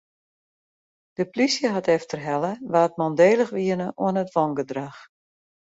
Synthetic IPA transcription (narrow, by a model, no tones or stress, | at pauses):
d̥əplisjəɦatɛftərɦɛləʋaːət̚mɔndeːlˠəxʋiənəʔo̰ənətʋɔŋɡədrax